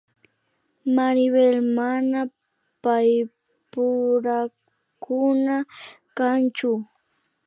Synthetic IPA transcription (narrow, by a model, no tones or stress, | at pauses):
maɾwelmana | paj | pʊɾa | kʊna | kant͡ʃʊ